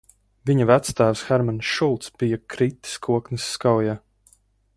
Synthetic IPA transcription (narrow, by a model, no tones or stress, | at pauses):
viɲavæt̪st̪æːvsxɛɾmanʃulˠt̪sb̥ijakɾit̪ːi̥skʰuɔknɨsːkawja